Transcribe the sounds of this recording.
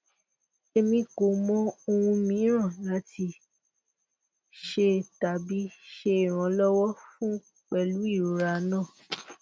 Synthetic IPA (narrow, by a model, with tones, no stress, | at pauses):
e˧mĩ˧ko˨˦mɔ̃˦o˧wũ˧mĩ˨˦ɾ̃ã˦˨la˨˦tʰi˧ | ʃe˧ta˨bi˨˦ʃe˧˨ɾ̃ɔ̃˨˦lɔ˦wɔ˦fũ˦ | k͡pɛ˧lu˨˦i˦˨ɾo˨˧ɾa˧˨˦nãː˦˨